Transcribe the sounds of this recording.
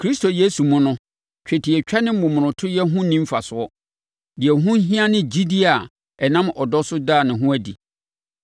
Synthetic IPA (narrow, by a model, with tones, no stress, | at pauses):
kʰɾi˦sto˨je˦su˨mʊ̃˦nʊ̃˦ | t͡ɕᶣʰɛ˨tʰi˨ɛ˨t͡ɕᶣɛ˦nɪ̃˦m̩˦mʊ̃˨mʊ̃˨nʊ̃˨tʰʊ˦jɛ˦ɦʊ̃˦nĩ˦m̩˦fa˨sʊ˨ɔ˦ | dɪ˨ɛ˨ɦʊ̃˦ɦĩ˦a˦nɪ̃˦d͡ʑi˦di˦a˨ | ɛ˨nã˦mʔɔ˨dɔ˦sʊ˦daː˦˨nɪ̃˨ɦʊ̃˦æ˦dḭ˨